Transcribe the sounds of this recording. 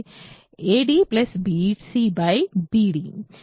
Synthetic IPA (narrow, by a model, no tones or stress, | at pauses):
eɖiplɐsbiʈsibajbiɖi